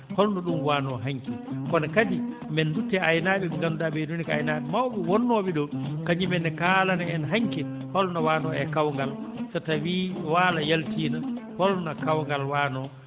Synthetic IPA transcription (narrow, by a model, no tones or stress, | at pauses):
hɔlnɔɗumwanɔɦaŋkɛkɔnakadi | mɛndutːɛajnaɓɛŋɡanudaɓɛnonikaajnaɓɛmawɓɛwɔnːɔɓiɗɔkaɲimɛnɛkalanaɛnɦaŋkɛ | hɔlnɔwaːnɔɛkawŋɡalsatawiwalajaltiːnahɔlnakawŋɡalwaːnɔ